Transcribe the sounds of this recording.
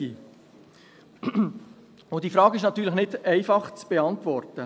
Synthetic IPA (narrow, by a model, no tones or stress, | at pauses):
i | ʊdiːfɾɑːɡɪʃnɑt̪yːɾləχnɪdɛɪfɑχt͡sb̥eɑntvɔɾtə